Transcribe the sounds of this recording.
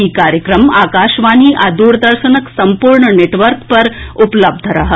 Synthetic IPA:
ikaːɾjəkɾəmaːkaːʃʋaːniʔad̪uːɾd̪əɾʃənəksɐmpuɾɳəneʈʋəɾkpɐɾupləb̚d̪ʱəɾɐɦə

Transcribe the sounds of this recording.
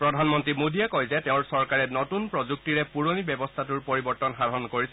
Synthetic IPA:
pɹɔdʱanmɔntɹimudʱijakojzɛtɛʊ̃ɹsɔɹkaɹɛnɔtunpɹɔzuk̚tiɹɛpuɹonibɛbɔstʰatuɹpoɹibɔɹtɔnxaɹɔnkoɹisɛ

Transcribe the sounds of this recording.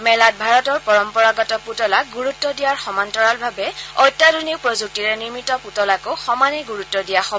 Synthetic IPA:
mɛlat̚bʱaɹɔtɔɹpɔɹɔmpɔɹaɡɔtɔputɔlaɡuɹutːɔdijaɹxɔmantɔɹalbʱabɛɔjtːadʱɔnik̚pɹɔzuk̚tiɹɛniɹmitɔputɔlakoxɔmanɛɡuɹutːɔdijaxɔbɔ

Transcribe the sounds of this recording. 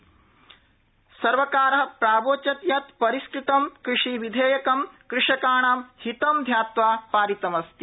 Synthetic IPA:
sɐɾʋɐkaːɾɐɦɐ̆pɾaːboːt͡ʃɐt̪jɐt̪pɐɾisʈʰit̪ɐmkɾiʂiʋid̪ʱeːjɐkɐmkɾɪʂɐkaːɳaːmhit̪ɐmd̪ʱjaːt̪ʋaːpaːɾit̪ɐmɐst̪i

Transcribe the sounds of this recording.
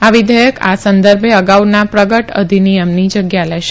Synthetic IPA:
aʋid̪ʱəjəkʰa̰sənd̪əɾbʱeəɡaʋnapɾəɡəʈə̰d̪ʱinijəmnid͡ʒəɡjalɛʃe

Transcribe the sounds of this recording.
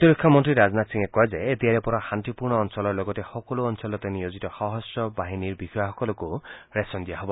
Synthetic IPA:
t̪ɔɾikʰːɔmɔntɾiɾaznat̪siŋekɔɦezaet̪iaɾepɔɾahant̪ipuɾɳ̃ɔːnsɔlɔɾlɔɡɔtexɔkɔluɔnsɔlɔt̪enijozit̪ɔxɔɦɔsjɔbaɦiniɾbihɔjaxɔkɔlɔkuɾesɔnd̪iaɦɔbɔ

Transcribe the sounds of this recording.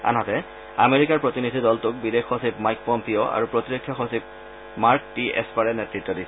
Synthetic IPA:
a̰nɦɔtɛ | ameɹikaɹpɹotinidʱidɔltʊk̚bidexːosipmajk̚pɔmpioʔa̰ɹupɹotiɹokʰːjɔxosip̚ | maɹk̚tiɛ̰spaɹɛnɛtɹitːɔdisɛ

